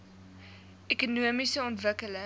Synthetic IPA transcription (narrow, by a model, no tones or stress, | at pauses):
ekunuəmisəɔntvəkələ